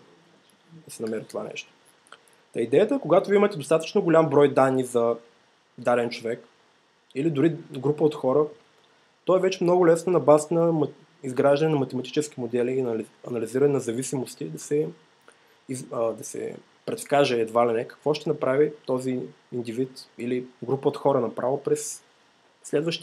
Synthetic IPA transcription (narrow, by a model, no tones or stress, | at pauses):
d̪ɐsɛnɐmɛɾət̪ova̰nɛ̰ʃt̪o̥ | t̪ɐid̪ɛjət̪əkoɡat̪oviimət̪ɛd̪ost̪at̪ə̥t͡ʃnoɡolʲambɾɔjd̪anːizɐ | d̪aɾɛnt͡ʃovɛk | ilid̪ʊɾiɡɾupəot̪xɔɾə | t̪ɔɛvɛt͡ʃɛmnɔɡʊlɛsnonɐbazət̪nɐm | izɡɾaʒd̪ɐnɛnɐmɐt̪ɛmɐt̪i̥t͡ʃɛsk̟imod̪ɛlinlɐnɐliziɾɐnɛnɐzɐvisimost̪id̪ɐsɛ | id̪ɐsɛ̰ | pɾɛt̪skaʒɛːd̪valɛnɛkɐ̥kvɔʃt̪ɛnɐpɾavit̪ɔzi | ind̪ivit̪iliɡɾupəot̪xɔɾənɐpɾʔavopɾɛsː | lɛd̪vəʃt̪